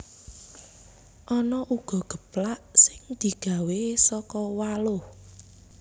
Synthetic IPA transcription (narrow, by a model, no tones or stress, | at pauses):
ʔɔnɔʔuɡ̥ɔ̤ɡ̥ə̤plaʔsɪŋd̪̥i̤ɡ̥a̤wesɔkɔwalʊh